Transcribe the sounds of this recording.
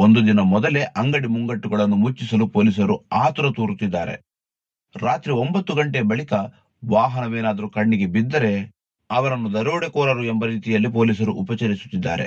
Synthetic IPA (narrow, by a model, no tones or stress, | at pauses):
ond̪ud̪inɐmɔd̪ɐle̞ʔɐŋɡɐɽimuŋɡɐʈːuɡɐɭɐnːumut͡ʃːisɐlupo̞ːlis̬ɐɾuaːt̪uɾɐt̪uːɾut̪ːid̪ːaːɾe̞̰ | ɾaːt̪ɾiombɐt̪ːuɡɐɳʈeɐbɐɭikɐ | ʋaːɦɐnɐʋeːnaːd̪ɐɾukɐɳːiɡe̞bid̪ːɐɾe̞ | ɐʋɐɾɐnːud̪ɐɾuːɽekɔːɾɐɾuembɐɾiːt̪ijɐlːip̬o̞ːliːs̬ɐɾuʔupɐt͡ʃɐɾisu̥t̪ːid̪ːa̰ːɾe̞̰